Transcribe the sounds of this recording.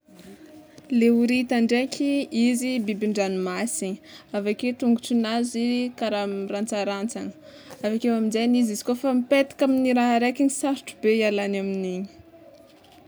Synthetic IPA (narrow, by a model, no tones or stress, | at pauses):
leuɾit̪aɳɖ͡ʐekʲʰiizibibiɳɖ͡ʐanimasiɲavaket̪uŋɡuʈ͡ʂinazikaɾamrant͡saɾant͡sanə̥ | avakewaminzanizizi̥kofamipet̪ḁkaminiɾaɦaɾekʲinisaɾiʈ͡ʂubeialanaminiɲi̥